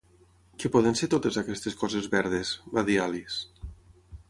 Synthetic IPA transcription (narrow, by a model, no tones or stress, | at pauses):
kepɔðenseɾt̪ot̪ezakɛst̪eskɔzezβɛɾðezraðialis